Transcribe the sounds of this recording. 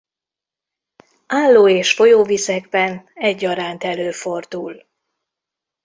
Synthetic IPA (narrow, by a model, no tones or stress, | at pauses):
aːlːoːeːʃfo̞joːvisɛɡbɛnɛɟːɒɾaːnt̪ɛløːfo̞rd̪ul